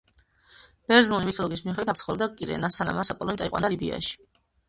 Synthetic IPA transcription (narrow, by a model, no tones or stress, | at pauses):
b̥ɛɾzlɔnimit̪ʰɔlˠɔɡis̬miuχɛd̪wit̪ʰt̪sχɔlɛbd̪akʼiɾɛ̰nasana̰masapʼɔlɔnt̪ʼaiqʼwand̪alibḭa̰ʃi̥